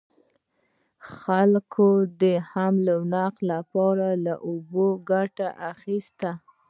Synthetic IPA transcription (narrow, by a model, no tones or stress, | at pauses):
xalkʰod̪əhamlawnaqlapɑɾalaʔoboɡaʈaʔaxist̪a